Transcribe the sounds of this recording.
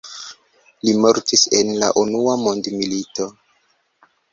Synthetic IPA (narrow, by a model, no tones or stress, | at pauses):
limoɾtise̞nla̰ʔunuamo̞ndmilito̞